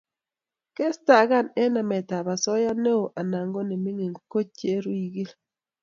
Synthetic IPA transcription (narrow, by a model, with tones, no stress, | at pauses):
ke˦sta˨ɡa˦˨ne˦na˨mɛ˨ta˨ba˨sɔ˦ja˦ne˦o˨ʔa˨na˨ŋɡo˦ne˨mi˦ŋe˨ŋko˦t͡ʃe˦ɾwi˨ɡi˦l